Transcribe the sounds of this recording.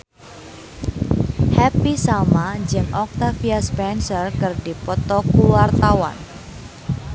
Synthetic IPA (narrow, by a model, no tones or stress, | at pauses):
hɛpisamad͡ʒɨŋʔɔk̚t̪afiaspɛnsərkərdipɔt̪ɔkuwart̪awa̰n